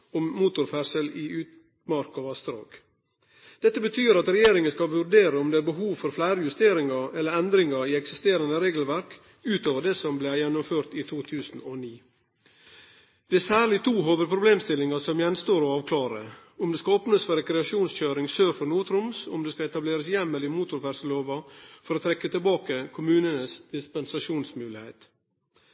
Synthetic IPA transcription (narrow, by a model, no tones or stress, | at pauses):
ɔmmuːt̪ʊɾfæɾsəlɪʔʉːt̪ | mɑɾkɑʋɑst̪ɾɑ̰ːɡ̥ | d̪̥ɛt̪ːəbət̪ʰyːɾɑt̪ɾɛjeːɾɪŋənskɑʋʉɾɖeːɾəʊmd̪ɛæːɾbəɦuːʋfɔɾflæɪɾəjʉst̪eːɾɪŋɑɾɛlːəɾɛnd̪ɾɪŋɑɾiɛksɪst̪eːɾɑnəɾeːɡəl̩ʋæɾk | ʉːt̪oːʋəɖɛsɔmblɛjɛnʊmføːɾt̪it̪ʰuːt̪ʰʉːsn̩ɔniː | d̪̥ɛæsæːɭɪt̪ʰuːɦoːʋəɾpʰɾʊbleːmst̪ɪlːɪŋɑsɔmjɛnst̪oːɾɔɑːʋkʰlɑːɾəʊmd̪ɛːskɑoːpnəsfɔɾɛkɾɛɑʂuːnsçøːɾɪŋsøːɾfɔɾnuːt̪ʰɾʊmsʊ̰md̪ɛːskɑɛt̪ɑbleːɾəsjɛmːəlɪmuːt̪ʊɾʋæɾsəloːʋɑfɔɾoːt̪ʰɾɛkːət̪ʰɪlbɑːkəkʰʊmʉːnənəsd̪̥ɪspɛnsɑʂuːnsmʉːlɪhḛːt̪